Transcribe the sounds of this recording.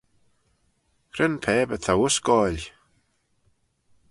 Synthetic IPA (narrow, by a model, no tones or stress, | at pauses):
kʰrənpʰɛːbəθʰawʊsɡɔːlʲ